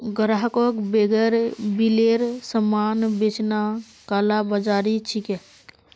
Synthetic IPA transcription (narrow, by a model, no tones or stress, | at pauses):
ɡəɾaɦkokbeɡəɾbileɾsəmaːnbet͡ʃna | kaːlabəd͡ʒaːɾit͡ʃʰike